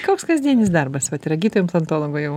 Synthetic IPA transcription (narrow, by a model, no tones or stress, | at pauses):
koːkskɐzʲd̪ʲiɛnʲɪs̬d̪ɐrbɐsʋɐt̪ɪɾɐɡʲiːt̪oːjʲomsɐnt̪oːlˠoːɡoːjɛʊ